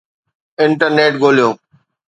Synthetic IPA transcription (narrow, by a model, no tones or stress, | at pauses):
ɪɳʈəɾneːʈɡoːlijõː